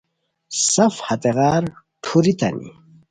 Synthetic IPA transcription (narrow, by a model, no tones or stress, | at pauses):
sɐfhɐt̪eɣaːɾ | ʈʰuɾit̪ɐ̰nḭ